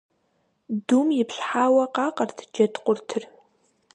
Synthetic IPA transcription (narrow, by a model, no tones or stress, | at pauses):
dumjɪpɕħaːwɐqɑːqɐrtʰd͡ʒɐtqʷʊrtʰɨr